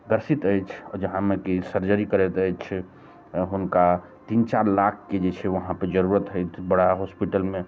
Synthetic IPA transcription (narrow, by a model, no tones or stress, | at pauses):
ɡəɾsit̪əjt͡ʃʰɔd͡ʒəɦãmekisəɾd͡ʒəɾikəɾɛt̪əjt͡ʃʰ | ɦunka | t̪int͡ʃaɾlak̚ʰked͡ʒet͡ʃʰɛʋəɦãpəɾd͡ʒəɾuɾət̪ɦəjt̪ʰbəɽ̤aɦospiʈəlmẽ